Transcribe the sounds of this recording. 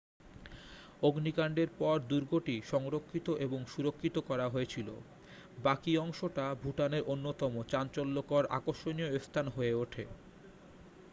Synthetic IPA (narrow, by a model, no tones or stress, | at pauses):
oɡnikaɳɖeɾpɔɾd̪uɾɡoʈiʃɔŋɾokʰːit̪oʔeboŋʃuɾokʰːit̪okɔɾaɦoet͡ɕʰilo̰ | bakiɔŋʃoʈabʱuʈaneɾʔonːot̪ɔmot͡ɕant͡ɕɔlːokɔɾa̰koʃonijoest̪ʰanɦoeoʈʰe